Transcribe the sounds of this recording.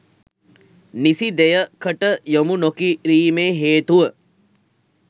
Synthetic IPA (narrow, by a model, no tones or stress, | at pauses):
nisid̪ejəkʰəʈəjomunokiɾiːmeːɦeːt̪uʋə